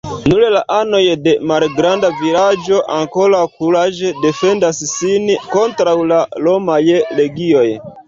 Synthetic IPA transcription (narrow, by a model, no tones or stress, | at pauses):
nulelaʔano̞jde̞malɡɾandavilad͡ʒo̞ʔaŋko̞ɾakulad͡ʒede̞fe̞ndassinko̞ntɾawlalo̞majle̞ɡio̞j